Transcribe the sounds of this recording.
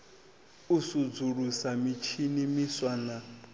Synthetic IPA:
usud͡zuɺusamit͡ʃʰinimiswana

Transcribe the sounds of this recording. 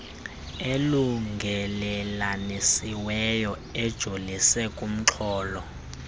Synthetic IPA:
eluŋɡʱɛlɛlanesiwɛjɔ | ɛd̥ʒ̥ʱolisɛkʼum̩ǁʰɔːlɔ

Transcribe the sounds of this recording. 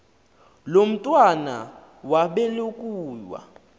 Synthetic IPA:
lom̩tʼwana̰ | waɓɛlokʼuːjwa̰

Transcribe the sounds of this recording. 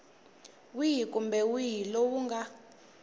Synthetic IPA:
wijikʼumbɛwijilowuŋɡa

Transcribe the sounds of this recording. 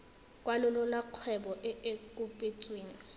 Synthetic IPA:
kʼwalʊlʊlaq͡χʰwɛbɔʔɪekʼupʼet͡sʼweːŋ̩

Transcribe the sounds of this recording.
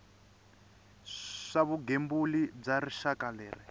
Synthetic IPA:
ʂaβuɡembulib͡ʐariʃakalɛːri

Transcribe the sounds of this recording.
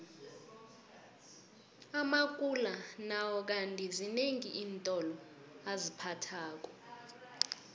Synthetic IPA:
amakʼulanawɔk̬antʼizineŋiʔiːntʼɔlɔ | azipʰatʰaːk̬ʼɔ

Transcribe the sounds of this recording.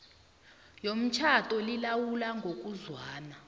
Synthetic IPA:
jom̩t͡ʃʰatʼɔlilawulaŋɡʱok̬ʼuzwaːna

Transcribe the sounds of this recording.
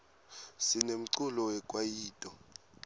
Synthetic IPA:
sinem̩ǀulɔwɛkʼwajiːtʼɔ

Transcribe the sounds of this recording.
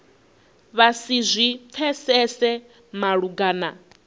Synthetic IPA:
βasizʷip̪fʰɛsɛsɛ | maɺuɡaːna̰

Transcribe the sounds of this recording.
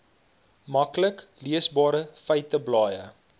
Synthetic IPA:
mɐkləkliəsbɑːɾəfəjtəblɑːjə

